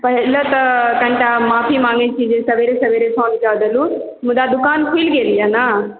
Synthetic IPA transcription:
pɐɦɪlət̪ɐkɐ̃ɳʈamaːfimãːŋɡet͡ɕʰid͡ʑẽsɐʋeːɾesɐʋeːɾesʰãːʋɪd͡ʒad̪ʱəlũ | mũd̪ad̪ʊkaːnkʰiːlɡeːlijana

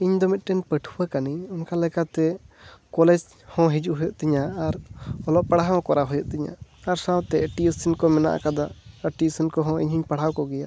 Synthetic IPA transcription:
iɲd̪ɔmit̪̚ˀʈɛnpəʈʰuwakaniɲɔnkalɛkat̪ɛkɔlɛd͡ʒ | hɔ̃ɦid͡ʒuʔɦɔjɔʔt̪iɲaaɾɔlɔʔpaɽaɦaɔ̃kɔɾaɦɔjɔʔ̚t̪iɲa̰aɾsawt̪ɛəʈiusinkɔmɛna̰ʔa̰kad̪aʔəʈiusinkɔɦɔ̃ḭɲhiɲpaɽ̤awkɔɡɛja̰ʔ

